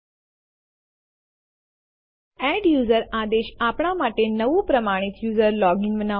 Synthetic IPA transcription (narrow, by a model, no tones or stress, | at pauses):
æɖjuzəɾad̪eɕapɳ̃amaʈenəʋupɾəmaɽ̃it̪juzəɾlɔɡĩnʋəna